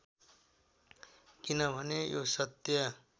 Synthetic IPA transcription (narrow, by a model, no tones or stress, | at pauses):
kinʌbʱʌnejosʌt̪jʌ